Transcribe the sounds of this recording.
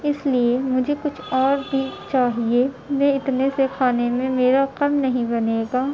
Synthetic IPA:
ɪsliemʊd͡ʒʱekʊt͡ʃʰɔːɾbʱit͡ʃaːɦie | mɛ̃ɪt̪nesekʰaːnemẽmeːɾaqɐmnɐɦĩbɐneːɡaː

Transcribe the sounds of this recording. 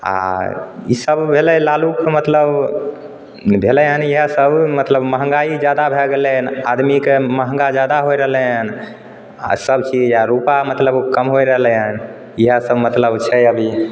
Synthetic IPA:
a̰ḭsəbbʱelɛlalukmət̪ləb | bʱelɛɦəniɦəsəbmət̪ləbməɦəŋɡaid͡ʒad̪abʱeɡelɛnad̪mikeməɦəŋɡad͡ʒad̪aɦoiɾəɦlɛɦən | a̰səbt͡ʃid͡ʒjaɾupamət̪ləbkəmɦoɾəɦlɛɦən | iɦəsəbmət̪ləbt͡ʃʰɛəbʱi

